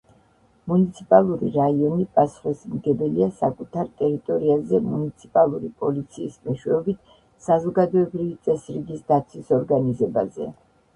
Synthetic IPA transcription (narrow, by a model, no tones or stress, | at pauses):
munit̪sʰipʼalˠuɾḭɾaiɔnipʼasχismɡɛbɛliasakʼut̪ʰaɾt̪ʼɛɾit̪ʼɔɾiazɛmunit̪sʰipʼalˠuɾipʼɔlit̪sʰiːsmɛʃwɛɔbit̪ʰ | sazɔɡad̪ɔɛbɾivit̪sʼɛsɾiɡisd̪at̪sʰwisɔɾɡanizɛba̰zɛ̰